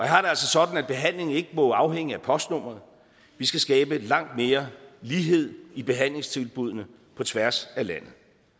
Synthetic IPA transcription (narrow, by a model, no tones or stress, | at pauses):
ɒjhɑ̈ɾe̝æl̰sɒ̽sɒ̽d̥n̩æd̥̚b̥e̝ɦæn̰le̝ŋn̩e̝ɡ̥əmɒ̽ɑ̈ʊheŋ̰əæpʰɒ̽sd̥nɔ̽m̰ɐð̞̩ˠ | ʋisɡ̥æsɡ̥ɛːb̥əlɑ̈ŋ̰d̥me̝ːɐliːɦe̝ð̞̰ˠib̥e̝ɦæn̰le̝ŋst͡sʰe̝lb̥uð̞̰ˠnə | pʰɒ̽t͡sʰʋæɐsælæn̰ð̩ˠ